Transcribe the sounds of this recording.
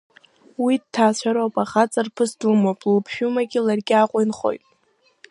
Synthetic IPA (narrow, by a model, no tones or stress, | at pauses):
widtʰːaːt͡ɕʷʰaɾopʼaχat͡sʼarpʰɨsdumopʼlpʰʃᶣumaɡʲɪlarɡʲɪaqʷʼʊjnχo̞̰jtʼ